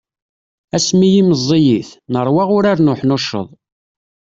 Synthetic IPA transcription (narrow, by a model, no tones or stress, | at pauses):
æsmijiməzˤːijiθnəɾˤwɑʁʊɾaɾnʊħnʊʃə̰ðˤ